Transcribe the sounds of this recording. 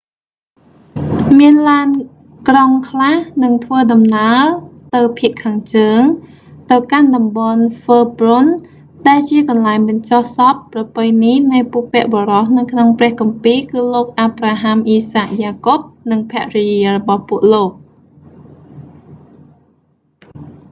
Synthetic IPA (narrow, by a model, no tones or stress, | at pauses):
miənlaən | kroŋkʰlahnɨŋt̪ʰʋəːɗɑmnaət̪ɨwpʰiəʔkʰaːŋt͡ɕəːŋ | t̪ɨwkanɗɑmɓɑnfəːprun | ɗaɛlt͡ɕiəkɑnlaɛŋɓɨɲt͡ɕohsɑp̚ːrɑpɨjninɨjpuəʔpɛ̆əʔɓoːrɑhnɨwkʰnoŋprɛ̆əhkɑmpiːlkɨːloːk̚ʔaːpraːɦamʔiːsaːk̚jaːkop̚nɨŋpʰɛ̆əʔrijiərɔɓɑhpuəʔloːk̚